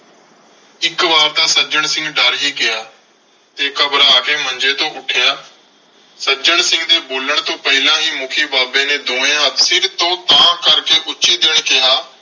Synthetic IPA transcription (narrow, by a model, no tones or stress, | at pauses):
ɪkʋaːɾt̪aːsəd͡ʒəɳ̃sɪ̃ŋɡɖaːɾiːkɪjaː | t̪eːkəbɾaːkeːmə̃nd͡ʒeːt̪õːʔʊʈʰjaː | səd͡ʒəɳsɪ̃ŋɡd̪eːboːləɳ̃t̪õːpəɪlãːɦiːmʊkʰiːbaːbẽːneːd̪õːẽt̪sɪɾt̪õːt̪ãːkəɾkeːʔʊːʃiːd̪eɽ̃kɪjaː